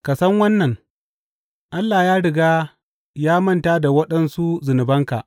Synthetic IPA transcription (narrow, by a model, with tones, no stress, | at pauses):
ka˨sɐ˦ŋwɐ˦nːɐ˨ŋ | ʔa˦lːaː˨jaː˦ɽɪ˨ɡaː˦ | jaː˦mɐ˦˨ntaː˦da˨wɐ˦ɗɐ˦nsu˦zʊ˨nɪ˨bɐ˦ŋka̰˨ʔ